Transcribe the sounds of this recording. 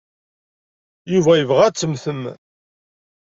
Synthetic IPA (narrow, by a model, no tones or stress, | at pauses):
juvæjəvʁæt͡sːəmθəm